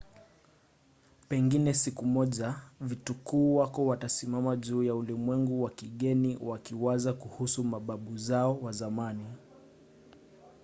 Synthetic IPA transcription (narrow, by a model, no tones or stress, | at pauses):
pɛŋɡinɛsikumɔʄavitukuːwakɔwatasimamaʄuːjaulimwɛŋɡuwakiɠɛniwakiwazakuhusumaɓaɓuzaɔwazamani